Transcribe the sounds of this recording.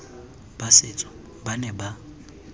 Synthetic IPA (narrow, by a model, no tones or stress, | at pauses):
basɪːt͡sʼɔ̥ | banɛba